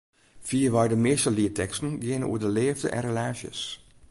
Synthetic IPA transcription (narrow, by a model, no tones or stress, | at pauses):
fiːəʋɔjdəmɪstəliətʰɛkstn̩ɡɪnəṵədəleːvdə̰ʔɛ̰nrelaːsjə̰s